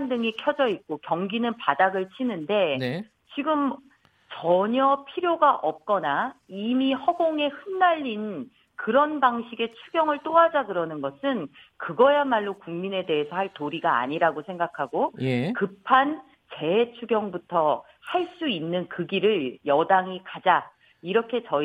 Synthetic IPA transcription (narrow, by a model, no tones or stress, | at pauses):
andɯŋikʰjʌd͡ʑʌik̚k͈okjʌŋɡinɯnpadaɡɯɭt͡ɕʰinɯnde̞n | t͡ɕiɡɯm | t͡ɕʌɲʌpʰiɾjoɡaʔʌp̚k͈ʌnaimihʌɡoŋe̞hɯnːaʎːin | kɯɾʌnbaŋɕʰiɡe̞t͡ɕʰuɡjʌŋɯɭt͈oɦad͡ʑakɯɾʌnɯnɡʌsʰɯn | kɯɡʌjamaɭːokuŋmine̞de̞esʰʌhaɭtoɾiɡa̰ːɲiɾaɡosʰe̞ŋɡakʰaɡojekɯpʰan | t͡ɕe̞t͡ɕʰuɡjʌŋbutʰʌ | haɭs͈uinːɯnkɯɡiɾɯɭjʌdaŋikad͡ʑa | iɾʌkʰe̞t͡ɕʌ